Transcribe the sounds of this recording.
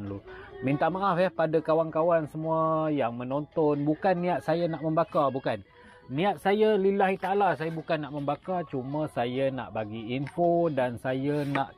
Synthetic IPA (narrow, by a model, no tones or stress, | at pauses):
nlumint̪amaʔafɛhpadakawankawansəmũajaŋmənont̪ɔnbukanːĩat̪̚sajanaʔməmbakabukanː | iat̪̚sajalilahɦit̪aalasajabukanːaʔməmbakat͡ʃumasajana̰ʔbaɡiːnfodansajanaʔ